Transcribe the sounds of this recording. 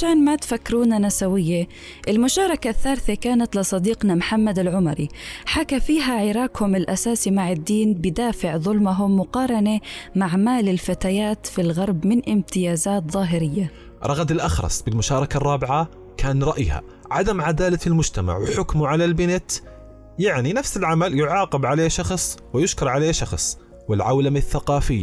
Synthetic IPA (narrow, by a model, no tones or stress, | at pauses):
aʃaːnmat̪fakːɾuːnanasawɪjːe | ʔɪlmʊʃɑːɾˤɑkaθːaːɾθekaːnat̪lɪsˤɑd̪iːqnamħamːad̪ɪlʕʊmɑɾiħakafiːɦaʕɪɾˤɑːkhʊmɪlʔasaːsimaʕɪd̪ːiːnbɪd̪aːfɪʕðˤʊlmaɦʊmːʊqɑːɾˤɑnemaʕmaːlɪlfat̪ajaːt̪filɣɑɾˤbmɪnʔɪmt̪ɪjaːzaːt̪ðˤɑːɦɪɾɪjːa | ɾˤɑɣad̪ɪlʔaxɾˤɑ̰sˤbɪlmʊʃɑːɾˤɑkarˤːɑːbɪʕa | kʰaːnɾˤɑʔjha̰ | ʕad̪amʕad̪aːlalmʊd͡ʒt̪ama̰ʕwɪħʊkmuʕalalbɪnɪt̪ | jaʕninafsɪlʕamaljʊʕɑːqɪbʕaleːʃɑxsˤwɪjʊʃkɪɾˤʕaleːʃɑxsˤ | wɪlʕawlamaθːaqɑːfɪjːa